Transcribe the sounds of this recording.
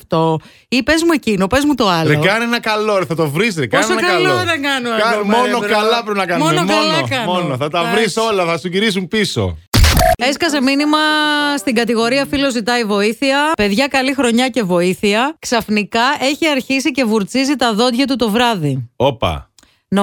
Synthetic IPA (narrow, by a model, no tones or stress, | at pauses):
ft̪o̞ | ipe̞zmue̞cino̞pe̞zmut̪o̞ɐlðeokɐnienɐkɐloθɐt̪o̞vɾisðekpɐosonɐkɐɐlooðeŋɡɐnukɐmonokɐlɐpɾepinɐkɐnmonnoɐlɐkɐnmonoθɐt̪ɐvɾisolɐθɐsuʝiɾis̬umpiso̰ | eskɐze̞minimɐst̪iɡɐt̪iɣo̞ɾiɐfilo̞zit̪ɐivo̞iθiɐpe̞ðʝɐkɐlixɾo̞ɲɐce̞vo̞iθiɐksɐfnikɐʔe̞çiɐɾçisice̞vuɾt͡sizit̪ɐðo̞t̪ʝɐt̪ut̪o̞vɾɐðiopɐ̰ | n